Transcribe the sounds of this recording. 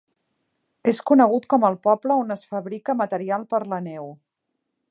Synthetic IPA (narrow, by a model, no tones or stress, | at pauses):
eskunəɣut̪kɔməlˠpɔbləonəsfəβɾikəmət̪əɾialˠpəɾlənɛw